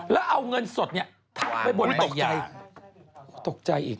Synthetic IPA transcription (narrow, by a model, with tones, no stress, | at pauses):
lɛː˦˥wʔa˧wŋɤ˧nso˨˩t̪̚ni˦˥˩ə | t̪ʰa˧mpa˧jbo˨˩˦o˨˩kja˧j | kuː˦t̪o˨˩k̚t͡ɕa˧jʔḭː˨˩k̚